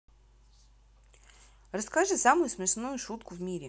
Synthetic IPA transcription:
rɐskaʐɨsamʊjʊsmʲɪʂnujʊʂut̪kʊvmʲiɾʲɪ

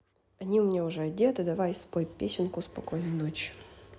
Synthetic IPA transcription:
ɐnʲiʊmʲnʲeʊʐɛɐdʲet̪ɨd̪ɐvajspojpʲesʲɪnkʊspɐkojnəjnot͡ɕɪ̥

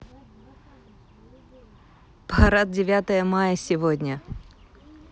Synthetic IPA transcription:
pɐɾat̪̚dʲɪvʲat̪əjəmajəsʲɪvodʲnʲə

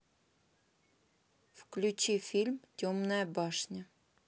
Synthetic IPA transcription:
fklʲʉt͡ɕifʲilʲmtʲomnəəbɑʂnʲə

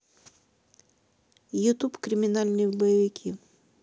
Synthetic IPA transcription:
jʊt̪upkɾʲɪmʲɪnalʲnɨjəbəjɪvʲɪkʲʰi

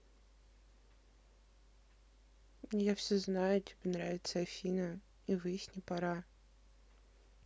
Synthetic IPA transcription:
jafsʲɵznajʊtʲɪbʲenɾavʲɪt̪səɐfʲinə | ivɨjsʲnʲɪpɐɾa

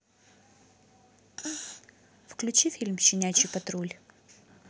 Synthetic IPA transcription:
fklʲʉt͡ɕifʲilʲmɕɪnʲæt͡ɕɪpɐt̪ɾulʲ

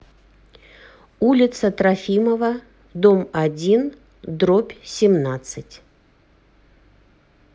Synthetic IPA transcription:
ulʲɪt̪sət̪ɾɐfʲiməvə | d̪omɐdʲin | d̪ɾopʲsʲɪmnat̪sɨtʲ

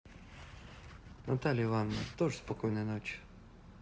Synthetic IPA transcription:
nɐt̪alʲɪɪvanːət̪oʐəspɐkojnəjnot͡ɕ

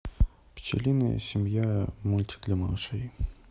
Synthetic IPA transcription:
pʲt͡ɕɪ̰lʲinɐjə̰sʲɪmʲjamulʲt̪ʲi̥d̪lʲɐmɐlˠʂɛj

